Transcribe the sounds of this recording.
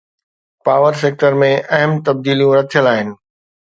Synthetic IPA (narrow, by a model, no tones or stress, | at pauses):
paːʋəɾs̬eːk̚ʈəɾmẽʔɐɦəmt̪ɐb̚d̪iːlijũɾɐt̪ʰijəlaːɦɪnɪ̆